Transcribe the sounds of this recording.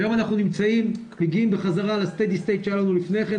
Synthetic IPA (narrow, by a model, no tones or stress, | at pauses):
jo̞manaχnunimt͡saim | meɡiimbeχazaʁalast̪ed̪ist̪ejt̪ʃejalanulifne̞jχen